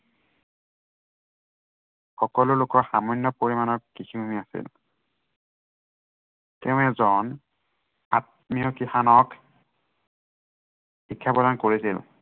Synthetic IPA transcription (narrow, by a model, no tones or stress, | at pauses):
xɔkɔlʊlʊkɔɹxamɔnjɔpoɹimanɔkkːisimumiasḭl | tɛʊ̃ɛzɔn | a̰t̚mijɔkixanɔk | xikʰːapɔdankoɹisḭl